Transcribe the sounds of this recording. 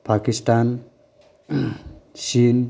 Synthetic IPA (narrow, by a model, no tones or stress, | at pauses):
pakisʈan | sin